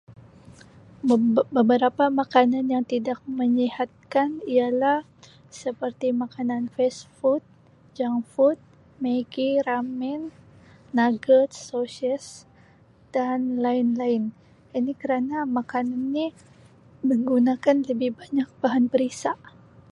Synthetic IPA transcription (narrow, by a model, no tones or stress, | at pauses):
bəbəɾapamakananjaŋt̪idak̚məɲihat̪̚kanialah | səpərt̪imakananfɛsfut̪̚ | d͡ʒaŋfut̪̚ | meɡiɾamɛnː | aɡət̪sosiəs | d̥anlaɪnlaɪn | inikəɾanamakananːi | məŋɡunakanləbɪhbaɲak̚baɦanbəɾisaʔ